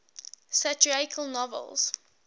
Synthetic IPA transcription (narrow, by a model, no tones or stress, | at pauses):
sat͡ʃuakʰəlˠnɔvə̰lˠz̥